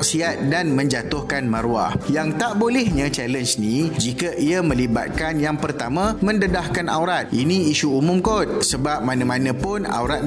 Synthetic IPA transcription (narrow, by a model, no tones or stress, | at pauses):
ksiat̪̚danmə̃ɲd͡ʒat̪ʊhkanməɾua̰hjaŋt̪aʔbolɛhɲãt͡ʃɛlənsnĩd͡ʒikaʔiamə̃liba̰t̪̚kanjaŋpərt̪amãmə̃ndədahkana̰wɾat̪̚ʔinĩiʃuumʊ̃mkot̪̚səbap̚mãnãmãnə̃pʊna̰wɾat̪̚